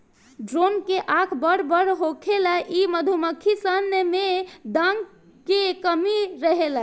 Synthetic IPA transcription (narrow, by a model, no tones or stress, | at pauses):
ɖɾonkeʔakʰbəɽbəɾɦokʰelaʔiməd̪ʱuməkʰisənəmed̪əŋ | kekəmiɾəɦela